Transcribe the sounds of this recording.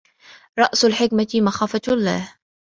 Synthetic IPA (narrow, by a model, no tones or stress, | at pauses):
ɾˤɑʔsalħɪkmamaxaːfalːa̰ːh